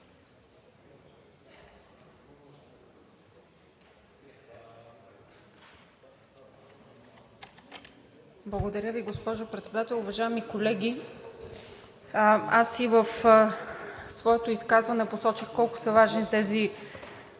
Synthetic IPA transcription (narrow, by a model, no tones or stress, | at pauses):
blˠəɡod̪ɐɾʲjəviɡospɔʒopɾɛt̪sɛd̪at̪ɛlˠʊvɐʒaɛmikolɛɡʲi | asivəf | svɔɛt̪oiskazvɐnɛposɔt͡ʃixkɔlˠkʊ̥sɐvaʒnit̪ɛzi